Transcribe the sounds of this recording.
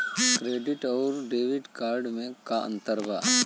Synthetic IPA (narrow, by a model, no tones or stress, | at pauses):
kɾeːɖɪʈɔːɾɖeːʋɪɖkaːɾɖmẽkaə̰̃nt̪əɾbaː